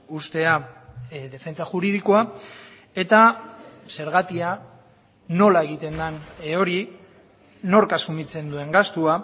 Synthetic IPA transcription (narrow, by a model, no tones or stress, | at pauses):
ust̪e̞a | ðe̞fe̞nt͡saʝuɾið̞ikoa | e̞t̪ase̞ɾɣ̞at̪ia | no̞lae̞ɣ̞it̪e̞nd̪ano̞ɾiː | o̞ɾkasumit͡se̞nd̪ue̞ŋɡast̪ua